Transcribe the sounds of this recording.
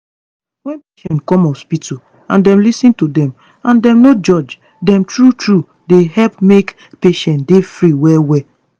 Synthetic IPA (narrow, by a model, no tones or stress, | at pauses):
wɛ̃npeʃɛ̃ntkɔ̃mɔspitu | ãndɛ̃mlisĩntudɛ̃m | ãndɛ̃mnod͡ʒɔd͡ʒ | dɛ̃mtɹutɹu | deɦɛlpmek | peʃɛ̃ntdefɹiwɛwɛ